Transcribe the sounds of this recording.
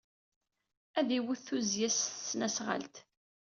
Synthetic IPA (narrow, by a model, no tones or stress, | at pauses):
æðiwuθθuzjæssːnæsʁə̰lt̪